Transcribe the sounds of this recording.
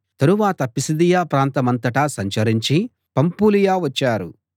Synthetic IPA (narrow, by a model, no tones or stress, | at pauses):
t̪ɐɾuʋaːt̪ɐpisid̪ijaːpɾaːnt̪ɐmɐnt̪ɐʈɐsɐɲt͡ʃɐɾiɲt͡ʃi | pɐmpuːlijaːʋɐt͡ʃːaːɾu